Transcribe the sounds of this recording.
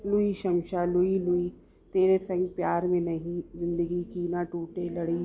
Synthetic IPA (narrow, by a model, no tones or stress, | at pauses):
lʊiʃɐmʃalʊilʊi | t̪eːɾesɛ̃ŋɡpjaːɾmẽnɐɦĩzɪ̃nd̪əɡikiːnaʈuːʈelɐɽi